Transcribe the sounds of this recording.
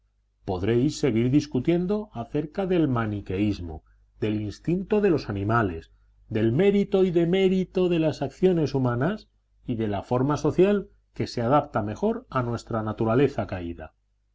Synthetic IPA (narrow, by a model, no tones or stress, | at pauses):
po̞ðɾe̞jsːe̞ɣ̞iɾðiskut̪je̞nd̪o̞aθe̞ɾkaðe̞lmanike̞izmo̞̰ | d̪e̞linst̪int̪o̞ðe̞lo̞sanĩmale̞z | d̪e̞lme̞ɾit̪o̞iðe̞me̞ɾit̪o̞ðe̞lasakθjo̞ne̞sumãnas | iðe̞lafo̞ɾmaso̞θjal | ke̞se̞að̞ap̚t̪ame̞xo̞ɾanwe̞st̪ɾanat̪uɾale̞θakaiða̰